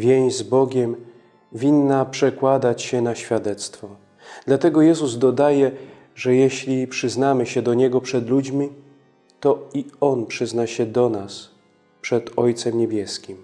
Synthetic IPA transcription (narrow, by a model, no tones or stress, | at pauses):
vʲjej̃ɲ̃zbɔɡʲɛm | vʲinːapʂɛkwad̪at͡ɕɕɛnaɕfʲjad̪ɛt̪st̪fɔ | d̪̥lat̪ɛɡɔjɛzuzd̪ɔd̪ajɛ | ʐɛjɛɕlʲipʂɘznamɘɕɛd̪ɔɲɛɡɔpʂɛd̪lud͡ʑmʲi | t̪ɔiɔnpʂɘznaɕɛd̪ɔnas | pʂɛd̪ɔjt̪sɛmɲɛbʲjɛskʲim